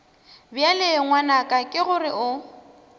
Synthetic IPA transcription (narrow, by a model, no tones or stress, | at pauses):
bjaleŋwanakʼakʼɪɣʊrɪʔʊ